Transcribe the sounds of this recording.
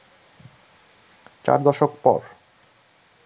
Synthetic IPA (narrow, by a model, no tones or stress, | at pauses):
t͡ɕa̰ɾd̪ɔʃokpɔ̰ɾ